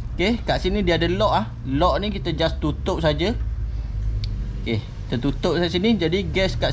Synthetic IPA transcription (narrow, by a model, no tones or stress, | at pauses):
kehkaʔsinĩdiadəlɔʔah | lɔʔnikit̪əd͡ʒast̪ut̪ʊp̚sad͡ʒə | kehkit̪ət̪ut̪ʊp̚sasinid͡ʒadiɡɛskaʔ